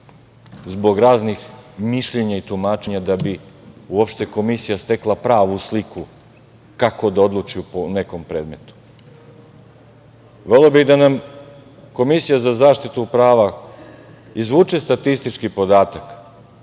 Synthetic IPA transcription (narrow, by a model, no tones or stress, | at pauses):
zbo̞ɡɾaːznixmiʃʎeɲait̪umaːt͡ʃe̞ɲad̪abiuopʃt̪e̞ko̞misijast̪e̞klˠapɾaːʋusliku | kako̞d̪ao̞d̪lˠut͡ʃiupone̞ko̞mpɾe̞ːd̪me̞t̪u̥ | ʋe̞lobiɣd̪anam | ko̞misijazazaːʃt̪it̪upɾaːʋa | izʋuːt͡ʃest̪at̪ist̪it͡ʃkipo̞d̪aːt̪ak